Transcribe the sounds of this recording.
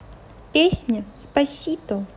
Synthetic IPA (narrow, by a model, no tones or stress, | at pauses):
pʲesʲnʲəspɐsʲit̪ə